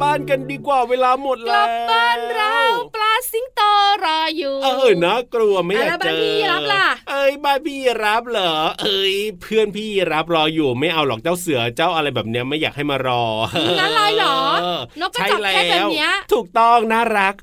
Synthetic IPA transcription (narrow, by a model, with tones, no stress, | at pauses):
baː˥˩nka˧ndiː˧kwaː˨˩weː˧laː˧mo˨˩t̪̚lo˨˧˩aː˧˥˩nɾa˥˦˥wplaː˧˥si˧˥ŋt̪ɤː˧ɾɔː˧juː˨˩ʔɤː˧naː˥˩klu˧ɐma˥˩jaː˨k̚t͡ɕa˧˥ɾa˦la˧˩ʔɤː˧˥jbaː˥˩npʰiː˥˧˩ɾa˦˥p̚lɔː˨˩˦ʔɤ˧˥jpʰɯ˥˩ənpʰiː˥˩˨ɾa˦˥p̚ɾɔː˧juː˨˩ma˥˩jʔa˧wlɔː˨˩k̚t͡ɕa˥˩wsɯ˩˦ɐt͡ɕa˥˩wʔa˧ɾa˧jbɛː˨˩p̚ni˦˥ɐma˥˩jaː˨˩k̚ha˥˩jmaː˧ɾɔː˧ʔːa˧˥lɔː˧jlɔː˩˦no˦˥kkːa˥˩lɛaː˧˩˨wi˦˥ɐt̪ʰuː˨˩k̚t̪ɔ˥˩ŋnaː˥˩ɾa˦˥k̚